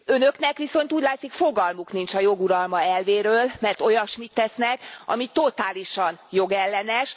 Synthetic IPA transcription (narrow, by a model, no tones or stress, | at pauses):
ø̞nø̞knɛkʋiso̞nt̪uːɟʲlaːt̪sikfo̞ɡɒlmuknint͡ʃɒjo̞ɡuɾɒlmɒɛlveːɾøːlmɛrt̪o̞jɒʃmit̪ːɛsnɛkɒ̰mit̪o̞t̪aːliʃɒnjo̞ɡɛlːɛnɛʃ